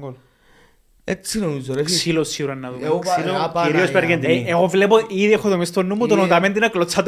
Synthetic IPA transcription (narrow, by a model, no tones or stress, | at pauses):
o | esinomizoeksilosiuɾɐnːɐðu | iɾiospeɾɣend̪ieɣovlepoʔiðiexːot̪omist̪onːumːut̪onot̪ɐment̪inɐklot͡sʰːɐt̪